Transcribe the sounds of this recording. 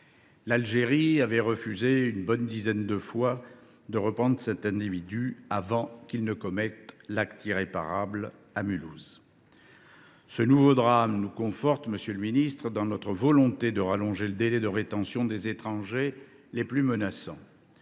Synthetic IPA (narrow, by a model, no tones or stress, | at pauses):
lalʒeʁiavɛʁəfyzeynbɔnd̪izɛnd̪əfwa | d̪əʁəpχɑ̃d̪ʁəsɛt̪ɛ̃d̪ivid̪yavɑ̃kilnəkɔmɛt̪lakt̪iʁepa̰ʁabl | amyluz | sənuvod̪ʁamnukɔ̃fɔʁt̪məsjøləminist̪χəd̪ɑ̃nɔt̪χəvɔlɔ̃t̪ed̪əʁalɔ̃ʒeləd̪elɛd̪əʁet̪ɑ̃sjɔ̃d̪ezet̪χɑ̃ʒe | leplymənasɑ̰̃